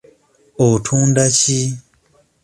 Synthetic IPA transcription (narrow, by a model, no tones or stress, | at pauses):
otʰuːndaci